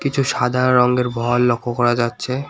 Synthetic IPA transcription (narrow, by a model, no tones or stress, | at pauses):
kit͡ɕʰuʃad̪ʱaɾɔŋɡeɾbʱɔlːokʰːokɔɾad͡ʑatːɕʰe